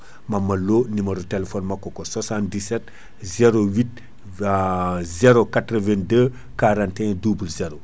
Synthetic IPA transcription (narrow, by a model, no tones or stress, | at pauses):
mɐmɐlonimɐɾutelefɔnmakːɔkoswasãntdisɛt | zeɾowit̚ | zeɾokatɾəvɛ̃ndə | kaɾãntɛ̃dublzeɾo